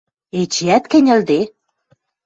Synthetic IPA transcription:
et͡ɕiæt̪kɘ̆nʲɘ̆ld̪e

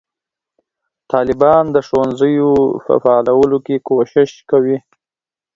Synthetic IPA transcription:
t̪ɑlɪbɑnd̪əʃowanzəjofa̰fɑːlawəlokekoʃɪʃkawi

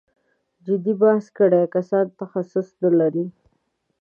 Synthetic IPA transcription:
d͡ʒɪd̪ibahskəɽekasɑnt̪axasʊsnəlaɾi

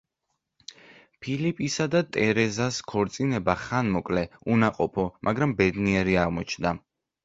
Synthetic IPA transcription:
pʰilipʼisad̪at̪ʼɛɾɛzaskʰɔɾt̪sʼinɛbaχanmɔkʼlɛunaqʼɔpʰɔmʔaɡɾambɛd̪niɛɾiaʁmɔt͡ʃʰnd̪a

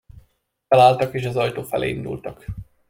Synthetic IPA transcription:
ɛlaːlt̪ɒkeːʃɒzɒjt̪oːfɛ̰lḛːind̪ṵlt̪ɒk

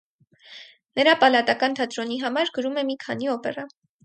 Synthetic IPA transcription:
nəɾɑpɑlɑt̪ɑkɑnt̪ʰɑt̪ɾɔniɦɑmɑɾɡəɾumɛmikʰɑniɔpɛ̰rɑ

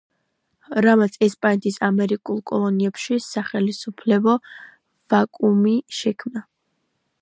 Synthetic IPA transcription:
ɾamat̪sʰɛspʼanɛt̪ʰʼisamɛɾikʼulˠkʼɔ̰lˠɔniɛpʃisaχɛlisupʰlɛbɔ | vakʼumiʃɛkʰmna

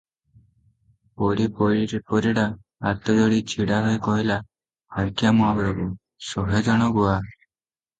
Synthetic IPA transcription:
pɔɾipɔɾiɾepɔɾiɽaː | t̪ɔd͡ʒoɽit͡ʃʰiɽaɦɔjkɔɦila | aɾkijamɔabɾɔku | sɔɦed͡ʒaɽ̃ɔɡua

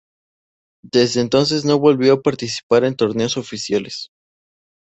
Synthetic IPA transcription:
d̪̥ezðeːnt̪o̞ns̬e̞zno̞βo̞lβjoapaɾt̪isi̥paɾe̞nt̪o̞ɾne̞oso̞fisjales

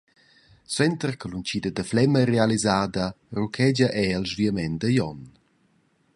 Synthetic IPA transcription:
swɛnt̪ərkəlunt͡ʃiːd̪əd̪əflɛmərealizaːd̪ɐ | rukʰɛd͡ʒɐʔɛəlzviəmɛnd̪əjɔn

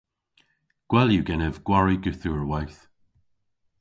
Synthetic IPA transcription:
ɡ̥wɛljuɡɛnɛvɡ̥waɹiɡʉθuɹwajθ

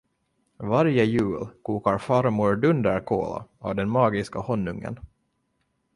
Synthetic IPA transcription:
vaɾjəjʉ̟ːlkʰuːkaɾfaɾmʊɾɖɵnd̪əɾkʰo̰ːla̰avd̪ɛnmɑːɡɪskahɔnːɵŋːə̰n

